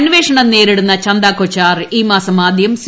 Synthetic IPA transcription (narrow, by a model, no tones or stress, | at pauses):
nʋeːʂɐɳɐmneːɾiɽunːɐt͡ɕɐnd̪aːkːot͡ɕːaːriːmaːsɐmaːd̪ʱjɐms